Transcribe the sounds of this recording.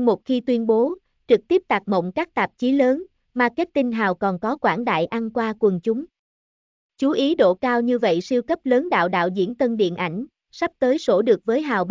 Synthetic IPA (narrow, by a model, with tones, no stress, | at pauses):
mo˨˩t̚xi˧t̪wi˧ənɓo˨˦ | t͡ɕɨ˨˩k̚t̪i˦˥p̚t̪aː˨˩k̚mo̰˧˨wŋ͡mkaː˦˥k̚t̪aː˨˩p̚t͡ɕi˨˦ləː˨˦n | maː˨˩ke˦˥t̚t̪i˧nɦaː˨˩wkɔ˨˩nkɔ˨˦kwaː˧˩nɗa̰ː˧˨jʔa˧nkwaː˧kwə˨˩nt͡ɕʊ˨˦ŋ͡m | t͡ɕu˨˦ʔi˨˦ɗo̰˧˨kaː˧wɲɨ˧və̰˧˨jsi˧əwkə˦˥p̚ləː˨˦nɗa̰ː˧˨wɗa̰ː˧˨wzḭ˧˥ənt̪ə˧nɗḭ˧˨ənʔa˧˩jŋ̟ | sa˦˥p̚t̪əː˨˦jso˧˩ɗɨ˨˩ək̚vəː˨˦jɦaː˨˩wɓ